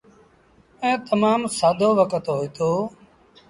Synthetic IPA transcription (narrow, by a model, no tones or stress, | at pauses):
ẽːt̪əmaːmsaːd̪ʱoːʋəkət̪ɦoːiːt̪oː